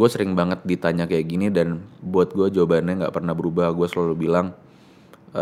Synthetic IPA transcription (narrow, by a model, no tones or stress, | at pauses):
ɡuasəɾɪŋbaŋət̪̚dit̪aɲakajaʔɡinidanbuat̪̚ɡuad͡ʒobanaŋɡa̰ʔpərnahbəɾubaɡuasəlalubilaŋ